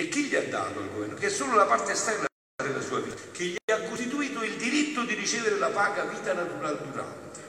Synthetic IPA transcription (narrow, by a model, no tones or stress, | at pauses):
ɪkːiʎːiad̪ːa̰ːt̪ʊa̰lɡovɛrnok̟ɛsːoːlʊlapart̪ɪst̪aɡɾ | d̪ɪlasuːaviːt̪ak̟ɪʎːiaakːust̪it̪uiːt̪ʊild̪iɾit̪ːʊd̪irit͡ʃɛːvɪɾɪlapaːɡaviːt̪anat̪uɾald̪uɾa̰nt̪ɪ